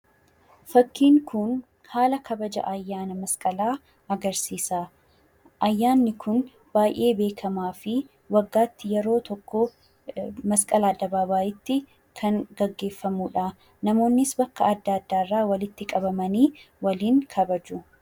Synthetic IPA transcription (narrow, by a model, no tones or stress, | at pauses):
fɐkːiːŋkʊn | haːlɐkʰɐbɐd͡ʒɐ̰ʔɐjːaːnɐmɐskʼɐlaː | ɐɡɐɾsiːsaː | ʔɐjːaːnːɪkʰʊn | b̥aːjʔe̞ːbe̞ːkʰɐmaːfɪ | wɐɡːaːt̪ːɪjɛɾo̞ːt̪ɔkːɔ | mɐskʼɐlaːd̪ːɐbaːbaːʔɪt̪ːɪ | kʰɐŋɡɐɡːe̞ːfːɐmuːᶑa | nɐmo̞ːnːɪsbɐkːɐɐd̪ːaːd̪ːaːɪrːaːwɐlɪt̪ːɪkʼɐbɐmɐniː | wɐliːŋkʰɐbɐd͡ʒʊ